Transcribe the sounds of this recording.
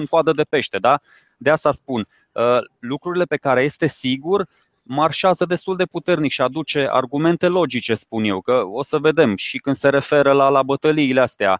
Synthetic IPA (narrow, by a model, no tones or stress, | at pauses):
ɨŋkoad̪əd̪e̞pe̞ʃt̪e̞d̪a | d̪east̪aspun | əlukɾuɾile̞pe̞kaɾe̞je̞st̪e̞siɡur | marʃeazəd̪e̞st̪uld̪e̞put̪e̞rnikʃiad̪ut͡ʃe̞ʔa̰rɡume̞nt̪e̞lo̞d͡ʒit͡ʃe̞spunje̞wkəo̞səve̞d̪e̞mʃikɨnd̪se̞ɾe̞fe̞ɾəlalabət̪əliːleast̪ea̰